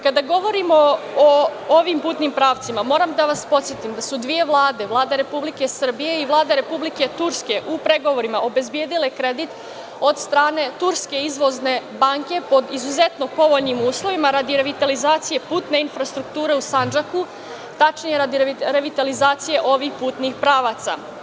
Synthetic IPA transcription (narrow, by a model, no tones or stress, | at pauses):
kad̪aɡo̞ʋo̞ɾimoooʋimpuːt̪nimpɾaːʋt̪simamo̞ːɾamd̪aʋaspo̞t̪sjet̪imd̪asud̪ʋije̞ʋlˠaːd̪e̞ʋlˠaːd̪eɾe̞publike̞sr̩bije̞iʋlˠaːd̪eɾe̞publike̞t̪uɾske̞ʔupɾe̞ɡoʋo̞ɾimaʔo̞be̞zbje̞ːd̪ile̞kɾed̪it̪ | o̞d̪st̪ɾaːne̞t̪uɾske̞izʋo̞zne̞baŋke̞po̞d̪izuzet̪no̞po̞ʋoʎnimuːslˠo̞ʋimaɾad̪iɾe̞ʋit̪alizaːt̪sije̞puːt̪ne̞infɾast̪ɾukt̪uːɾe̞usand͡ʒaku | t̪at͡ʃnijeɾad̪iɾeʋit̪alizaːt̪sije̞ʔo̞ʋixpuːt̪nixpɾaːʋat̪sa̰